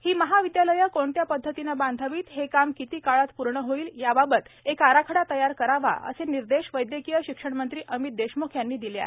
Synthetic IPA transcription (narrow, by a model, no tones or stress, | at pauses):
hiːməɦaʋid̪jaləjəkoɳt̪japəd̪ʱːət̪inaband̪ʱaʋiːt̪ɦekamkit̪iːkaɭat̪puɾɳəɦoiːljababət̪ekaɾakʰəɽat̪əjaɾkəɾaʋa̰ʔə̰seniɾd̪eɕʋəjd̪jəkijəɕikʂəɳmənt̪ɾiːʔəmit̪̚d̪eɕmokʰjanːiːd̪ilia̰e